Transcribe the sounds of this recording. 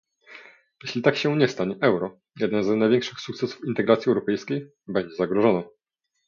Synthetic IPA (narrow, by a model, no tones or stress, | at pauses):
jeɕlʲit̪akɕɛɲɛst̪aɲɛʔɛwɾɔ | jɛd̪nɛnznajvʲɛŋkʂɘxsukt̪sɛsu̥fint̪ɛɡɾat̪sʲiɛwɾɔpɛjskʲej | bɛɲd͡ʑɛzaɡɾɔʐɔnɔ